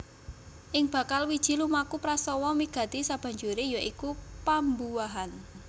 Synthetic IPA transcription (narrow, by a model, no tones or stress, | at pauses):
ʔɪŋb̥ä̤kalwid̥ʒ̥i̤lumakupɾasɔwɔmiɡ̥ä̤t̪isab̥ä̤ɲd͡ʒuɾejɔʔikupambuwaɦan